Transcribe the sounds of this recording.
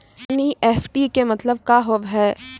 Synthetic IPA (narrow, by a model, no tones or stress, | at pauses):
niʔeːfʰʈikemɐt̪ləb̚kaɦoʋɦɛː